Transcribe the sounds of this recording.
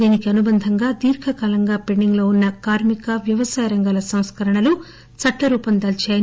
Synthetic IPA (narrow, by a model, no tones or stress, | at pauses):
d̪iːnikiɐnubɐnd̪ʱɐŋɡaːd̪iːɾkʰɐkaːlɐŋɡaːpeɳɖiŋɡlo̞ːunːɐkaːɾmikɐʋjɐʋɐsaːjɐɾɐŋɡaːlɐsɐ̃w̃skɐɾɐɳɐlu | t͡ʃɐʈːɐɾuːpɐnd̪ɐlt͡ʃaːjɐ